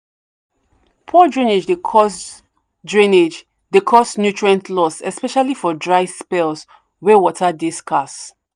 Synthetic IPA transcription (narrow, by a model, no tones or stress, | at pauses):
pʰɔdɹĩned͡ʒdekʰɔs | dɹĩned͡ʒ | dekʰɔsnjutɹɛ̃ntʰlɔsɛspɛʃalifɔdɹaɪspɛls | wɛwɔtʰadiskʰas